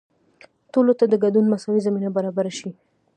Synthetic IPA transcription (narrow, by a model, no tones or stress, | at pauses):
tolot̪ad̪əɡadunmasawizaminabaɾabaɾaʃi